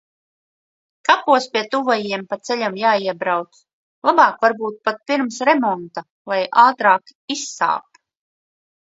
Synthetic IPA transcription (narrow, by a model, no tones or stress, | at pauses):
kapuɔspʲiɛt̪uvɔjiɛmpat̪sɛʎʲamjaːiɛbɾawt̪s | lˠabɑːkvaɾbuːt̪̚pat̪̚piɾmsɾɛmɔnt̪a | lˠajʔaːt̪ɾaːkisːa̰ːp̪̚